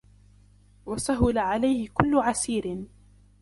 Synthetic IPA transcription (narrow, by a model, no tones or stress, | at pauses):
wasaɦʊlaʕalajhɪkʊlːʊʕasiːɾɪn